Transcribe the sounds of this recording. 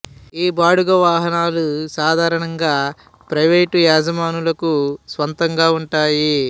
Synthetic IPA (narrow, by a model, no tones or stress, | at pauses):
iːbaːɽuɡɐʋaːɦɐnaːlusaːd̪ʱaːɾɐɳɐŋɡaː | pɾɐʋeːʈuaːd͡ʒɐmaːnulɐkusʋɐnt̪ɐŋɡaːuɳʈaːji